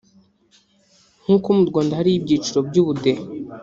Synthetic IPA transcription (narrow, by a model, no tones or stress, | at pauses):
ŋ̥huːkumuɾɡoːndahaɾib̚ɟiːt͡ʃiɾo̞bɟuːβude